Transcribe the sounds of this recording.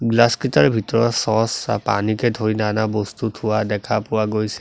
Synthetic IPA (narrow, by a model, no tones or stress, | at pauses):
ɡlaskɹitaɹɛbʱitɔɹɔtsɔsa̰pa̰nikɛdʱoɹinanabɔstutʰʊwadɛkʰapʊwaɡojsɛ̥